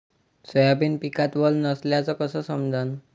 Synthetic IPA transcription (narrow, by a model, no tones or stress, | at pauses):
sɔjapinpikat̪bɔlnɔsljat͡sɔkɔsɔsɔmd̪ʱan